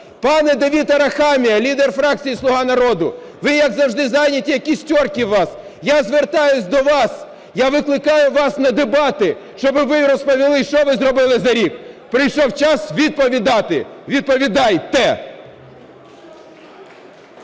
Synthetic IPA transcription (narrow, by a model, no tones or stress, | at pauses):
pɑnɛd̪eʋʲit̪ɔɾɐxɑmʲijɐlʲid̪erfɾɑk̚t͡sʲijislˠʊɦɑnɐɾɔd̪ʊ | ʋɪjɐɡzɐwʒd̪ɪzɑjnʲɐtʲijɐkʲisʲtʲɔrkʲiʋɑs | jazʋert̪ɑjʊsʲd̪ɔʋɑs | jaʋɪklˠɪkɑjʊʋɑsnɐd̪ebɑt̪ɪʃt͡ʃɔbɪʋɪɾɔspɔʋʲilˠɪʃt͡ʃɔʋɪzɾɔbɪlˠɪzɐɾʲikpɾɪjʃɔwt͡ʃɑsʋʲid̪̚pɔʋʲid̪ɑt̪ɪ̰ʋʲid̪̚pɔʋʲid̪ɑjt̪ɛ